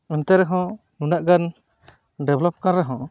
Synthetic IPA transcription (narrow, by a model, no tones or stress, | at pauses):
ɛnt̪ɛɾɛɦɔ̃ | nunaʔɡan | ɖɛblɔp̚kanɾɛɦɔ̃